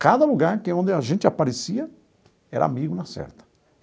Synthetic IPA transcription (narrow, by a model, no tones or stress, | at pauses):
kad̪ɐluɡaɾkeõnd̪ɪaʒẽnt͡ʃ̪ɪapaɾesiɐ | ɛɾɐ̰a̰miɡʊnɐsɛ̰ɾt̪ɐ̥